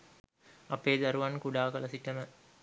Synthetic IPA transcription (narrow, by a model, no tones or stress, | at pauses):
ɐpeːd̪aɾuʋankuɖaːkəlɐsiʈəmə